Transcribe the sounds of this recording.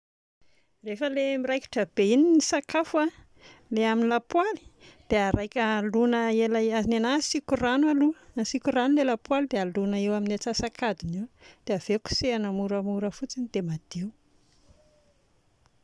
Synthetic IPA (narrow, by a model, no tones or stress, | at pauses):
refəlemiɾajki̥ʈ͡ʂəb̥eininisakafa | leaminilapwali̥d̪̥eaɾajkʲəlunəelaazinenasikuranwaluənasikuranulelapwalid̪ealunəewaminat͡sasakʰad̪iniwd̪̥eav̥eku̥seanəmuɾəmuɾəfut͡sinid̪emad̪̥iw